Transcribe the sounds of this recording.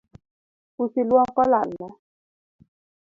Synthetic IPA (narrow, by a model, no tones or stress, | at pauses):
usilwɔŋ̩kɔla̰n̩ma